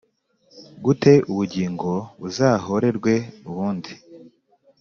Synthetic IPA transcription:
ɡute̞ʔuβuɟiːŋɡo̞βuzaːho̞ɾe̞ɾɡwe̞uβuːndi

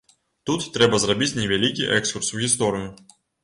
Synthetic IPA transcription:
t̪ut̪ːɾʲɛbəzrɐbʲit͡sʲnʲɪvʲɛlʲikʲijʔɛkskʊrsvɣʲɪs̬t̪oɾʲɪjʊ

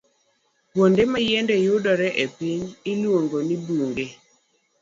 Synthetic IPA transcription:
pwondemajendɛjʊdɔɾɛʔepiɲɪlwoŋɡoniduŋɡe

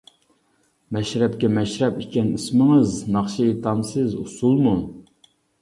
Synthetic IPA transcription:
mɛʃɾɛp̚kʲɛmɛʃɾɛpikʲɛnɨsmɨŋɨznɑχʃit̪ʰɑnsɨzṵsulˠmu

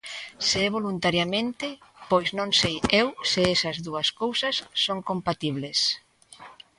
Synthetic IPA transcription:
seɛβ̞olunt̪aɾjamẽnt̪ɪpojznõŋsejewsɪɛsɐzðuɐskowsɐsːoŋkompat̪iβ̞les

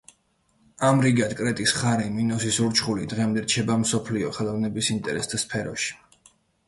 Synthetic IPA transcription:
amɾiɡad̪kʼɾɛt̪ʼisχaɾiminɔsisuɾt͡ʃʰχulid̪ʁɛmd̪ɛɾt͡ʃʰɛbamsɔpʰliɔχɛlˠavnɛbisint̪ʼɛɾɛsd̪aspʰɛɾɔʃi̥

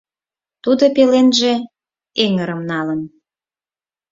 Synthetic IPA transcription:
t̪ud̪opelenʒe̽ | eŋəɾəmnɑlən

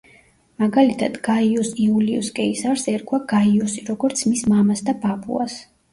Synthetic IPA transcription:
maɡalit̪ʰad̪̥ɡaiɔsiuliɔskʼɛisaɾsɛɾkʰwaɡ̥aiɔsiɾɔɡɔɾt̪sʰmismamasd̪ababṵa̰s

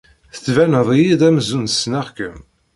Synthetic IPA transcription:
θə̥t͡sːvænəðˤijid̪æməzunsnæʁkəm

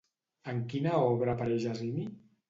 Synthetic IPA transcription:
əŋkinaɔβɾapaɾɛʒazini

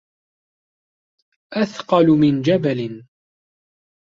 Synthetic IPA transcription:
ʔaθqɑlʊmɪnd͡ʒabalɪn

